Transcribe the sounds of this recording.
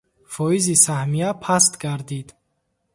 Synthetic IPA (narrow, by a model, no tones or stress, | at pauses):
fɔizisahmijapʰast̪ɡaɾd̪id̪